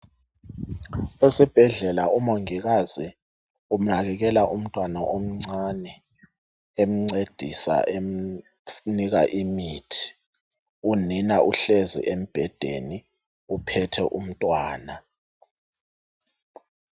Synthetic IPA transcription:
ɛsɛb̥ʱɛɮɛlaumoŋik̬azi | um̩nak̬ɛk̬ɛlaʔum̩tʼwanaʔom̩ŋ͡ǀanɛ | em̩ŋ͡ǀed̥ʱisa̰e | nik̬a̰ʔimiːtʰi̥ | uninaʔuɬezḭʔem̩b̥ʱɛd̥ʱḛni | upʰɛtʰɛʔum̩tʼwaːna

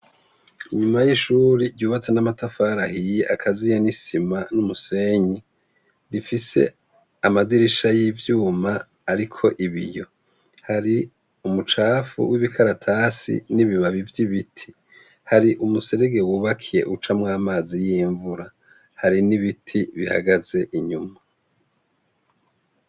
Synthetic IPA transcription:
iɲumajiʃuːɾiɾɟuːβat͡se̞namatafaːɾahijeʔakʰazijanisimanumuse̞ɲi | ɾifise̞̰ | amadiɾiʃajivjuːmaː | ɾikʰo̞ʔiβḭjo̞ | haɾi | umut͡ʃaːfṵwʔiβikʰaɾatʰasḭniβiβaβivjiβitʰi̥ | haɾiʔumuse̞ɾeɡe̞wuːβakʰije̞̰ʔut͡ʃamŋaːmaːzijiːɱvuɾa | haɾiniβitʰiβiha̰ɡaze̞ʔiɲuma

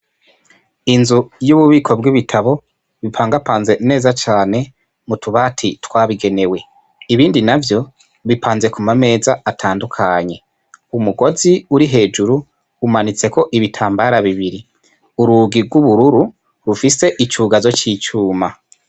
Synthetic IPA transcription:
inzujuːβuβiːkʰo̞bɡiβitʰaβo̞ | βipʰaːŋɡapaːnze̞ne̞ːzat͡ʃaːne̞ | mutuβaːtʰitwaːβiɡe̞ne̞we̞ | iβiːndinavjo̞ | βipʰaːnze̞kumame̞ːzaːtʰaːndukʰaɲe̞ | umuɡo̞ziuɾiɦe̞ːd͡ʒuɾu | umanit͡se̞ko̞ʔiβitʰaːmbaɾaβiβiɾi | uɾuɡiɡwuβuɾuɾu | ɾufise̞ʔit͡ʃuːɡazo̞t͡ʃiːt͡ʃuːma

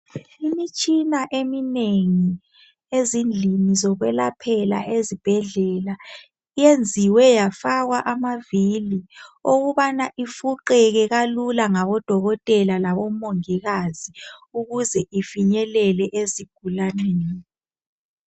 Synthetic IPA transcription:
imit͡ʃʼinaʔemineŋi | ezind͡ɮʱinizɔɣwɛlapʰɛla̰ʔezib̥ʱɛɮɛla | ijend͡zʱiwɛjafaɣwaʔamavilioɣuβanaʔifuǃɛɣɛɣalulaŋaβɔd̥ʱɔɣɔtʼɛlalaβɔmoŋiɣaziuɣuzɛʔifiɲɛlɛlɛʔeziɡ̥ʱulaneni

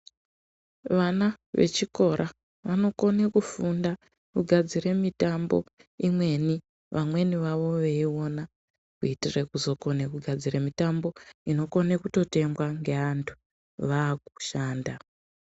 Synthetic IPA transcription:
ʋana | ʋḛt͡ʃiko̞ɾʔa | ʋano̞ko̞ne̞kufunda | kuɡʱad͡ziɾe̞mitambo̞̰imwe̞ni | ʋamwe̞niʋaʋo̞ʋe̞io̞na | kuitire̞kuzo̞ko̞nekuɡʱad͡ziremitambo̞ino̞ko̞ne̞kuto̞te̞mɡwaŋɡe̞antʰu̥ | ʋaːk̚u̥ʃaːnda

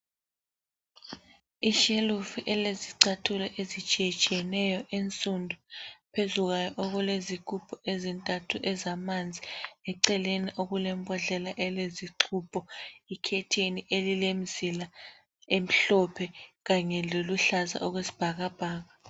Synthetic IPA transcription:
iʃelufiʔɛleziǀatʰulɛʔezit͡ʃʼiɛt͡ʃʼiɛnɛjɔʔent͡sʼundʱupʰezuɣajɔʔɔɣulezikʰʼupʰʼɔezintʼatʰuʔɛzamand͡zʱiɛǀɛleniʔoɣulɛmbʱʼɔɮɛlaʔɛleziǃʰupʰʼɔikʰɛtʰeniʔelilem̩zila | em̩ɬɔpʰɛɣaɲɛloluɬaza̰ʔɔɣwesi̥b̥ʱaɣab̥ʱaːɣa

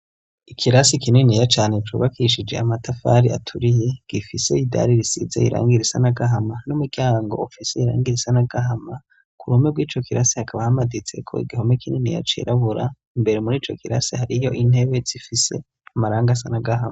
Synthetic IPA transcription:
ikʰiɾasikininijat͡ʃaːne̞t͡ʃṵβakʰiʃ̬id͡ʒe̞̰amatafa̰ɾia̰tʰuɾije̞ɡ̥ifise̞ida̰ɾiɾisḭzḛiɾʔa̰ːŋɡiɾisanaɡaɦamanumuɡjaːŋɡo̞̰ːfiseiɾa̰ːŋɡiɾisanaɡaɦama | kuɾumebɡwiːt͡ʃo̞kiɾasihakaβahamadit͡se̞̰kʰo̞̰ḭɡihomekʰininḭja̰t͡ʃḭɾʔaβuɾa | imbe̞ɾemuɾiːt͡ʃo̞kʰiɾa̰sihaɾijo̞ʔin̥e̞βe̞z̥ifise̞̰ | amaɾaːŋɡas̬anaɡahama

